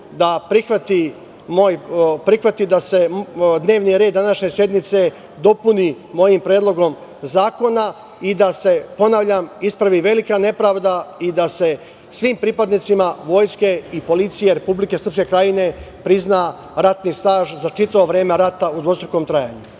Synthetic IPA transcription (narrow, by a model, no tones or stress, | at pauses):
d̪apɾixʋat̪i | moːjpɾixʋat̪id̪ase̞d̪ne̞ːʋniɾe̞ːd̪ːanaʃɲe̞sje̞d̪nit̪se̞ | d̪o̞puni | mo̞jimpɾeːd̪lˠo̞ɡo̞mzaːko̞na | id̪ase̞po̞naːʋʎamispɾaʋiʋe̞likane̞pɾaːʋd̪aid̪ase̞ | sʋiːmpɾipad̪nit̪simaʋo̞ːjske̞ipo̞lit̪sije̞ɾe̞publike̞srpske̞kɾajine̞pɾizna | ɾat̪nist̪aːʒzat͡ʃit̪aʋoʋɾeːme̞ɾat̪aud̪ʋo̞st̪ɾuko̞mt̪ɾajaːɲu